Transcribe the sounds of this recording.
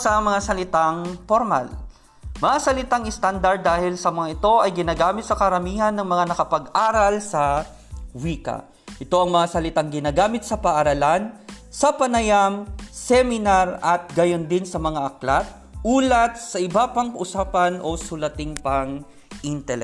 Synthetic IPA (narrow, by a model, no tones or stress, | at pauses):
sɐmɐŋasɐlɪt̪aŋpoɾma̰l | mɐŋasɐlɪt̪aŋɪst̪and̪ɐɾd̪̚ːaːhɪlsɐmɐŋaʔɪt̪o̞ʔɐjɡɪnaːɡaːmɪt̪̚sɐkɐɾɐmiːhɐnːɐŋmɐŋanɐkɐpɐɡʔaːɾɐlsɐ | wiːkɐ̰ | ʔɪt̪o̞ʔɐŋmɐŋasɐlɪt̪aŋɡɪnaːɡaːmɪt̪̚sɐpɐʔaɾɐlansɐpɐnɐjamsɛmɪnaɾɐt̪̚ɡɐjond̪ɪnsɐmɐŋaʔɐklat̪̚ | ʔuːlɐt̪̚sɐʔɪbapɐŋkɐʔʊsaːpɐnʔo̞sʊlɐt̪ɪŋpɐŋ | ʔɪnt̪ɛlɛ